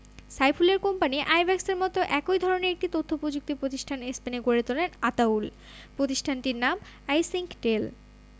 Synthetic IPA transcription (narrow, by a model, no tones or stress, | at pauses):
sajpʰuleɾkompaniʔajbʱɛkseɾmɔt̪oʔɛkojd̪ʱɔɾoneɾek̚ʈit̪ot̪ʰːopɾod͡ʑuk̚t̪ipɾot̪iʃʈʰanespeneɡoɾet̪olenat̪aul | pɾot̪iʃʈʰanʈiɾnam | ajsiŋkʈel